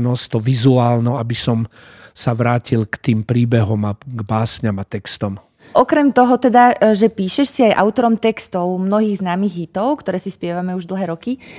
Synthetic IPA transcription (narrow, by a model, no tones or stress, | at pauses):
nɔst̪ɔʋizuaːlnɔabisɔm | saʋɾaːcilkt̪iːmpɾiːbɛɦɔmaɡbaːsɲamat̪ɛkst̪ɔm | ʔɔkɾɛmt̪ɔɦɔt̪ɛd̪aʒɛpiːʃɛʃsiajʔa̰ʊt̪ɔɾɔmt̪ɛkst̪ɔʊmnɔɦiːɣznaːmiːɣɦit̪ɔʊkt̪ɔɾɛːsispɪɛʋamɛuʒd̪l̩ˠɦɛːɾɔki